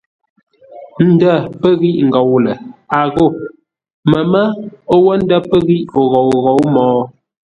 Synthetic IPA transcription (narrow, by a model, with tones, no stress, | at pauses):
n̩˦də˦˨pə˦ɣi˦ʔŋ̩˨ɡɔ˨wlə˨a˨ɣo˦˨ | mə˨mə˦o˦wə˦n̩˦də˦pə˦ɣi˦ʔo˨ɣo˨wɣo˨˦wmɔː˨˦